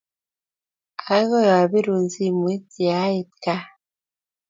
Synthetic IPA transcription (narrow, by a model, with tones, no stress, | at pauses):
a˨˦ɣɔ˦jɔ˨a˨be˦ɾu˨nzi˦˨mwi˦ti˨a˨˦e˨t̚ka˦